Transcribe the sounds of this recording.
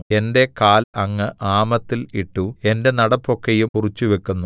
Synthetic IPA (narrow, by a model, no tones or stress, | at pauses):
e̞nde̞kaːlɐŋːɨʔaːmɐt̪ːiliʈːue̞nde̞nɐɽɐpːo̞kːejumurit͡ɕːuʋe̞kːunːu